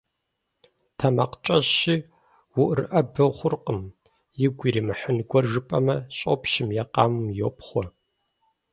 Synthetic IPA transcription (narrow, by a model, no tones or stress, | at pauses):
tʰɐmɐqt͡ʃʼɐɕiː | wʊʔrɨʔɐbɨχʷʊrqʼəm | jɪɡʷiɾiːmɨħənɡʷɔrʒɨpʼɐmɐɕʼopʰʃɪmjɛqɑ̰ːmɨmjoːpχʷɔ